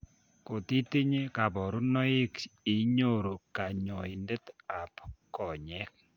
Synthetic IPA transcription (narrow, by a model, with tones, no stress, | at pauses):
ko˨ti˦ti˦ɲe˦ka˨bɔ˨ɾu˦nɔ˦ɪ˦ki˨ɲo˦ɾo˨ka˨ɲɔ˨i˨nde˦ta˨pkɔ˨ɲɛ˦k̚